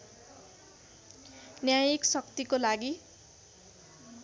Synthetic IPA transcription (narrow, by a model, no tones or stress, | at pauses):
njajiksʌkt̪ikolaɡi